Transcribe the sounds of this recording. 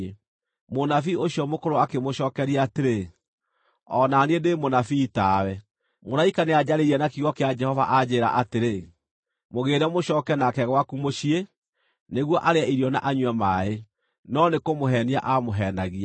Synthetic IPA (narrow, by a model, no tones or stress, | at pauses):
monafioɕjɔmokoɾoakemoɕɔkɛɾiateɾe | ɔnaniendemonafiːtaːwɛ | moɾaikanead͡ʑaɾeiɾɛnakiɣɔkead͡ʒɛhɔva̰ʔad͡ʑeːɾa̰ʔateɾe | moɣeːɾɛmoɕɔːkɛnakɛɣwakumoɕie | neɣwɔʔaɾeaiɾiɔna̰ʔaɲwɛmae | nɔnekomoɦɛnia̰ʔamoɦɛnaɣia